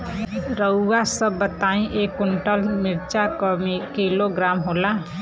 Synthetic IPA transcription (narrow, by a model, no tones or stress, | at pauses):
ɾəːasəbːət̪aːĩʔeːkʊɳʈəlmɪɾt͡ʃakikiloɡɾaːmɦoːla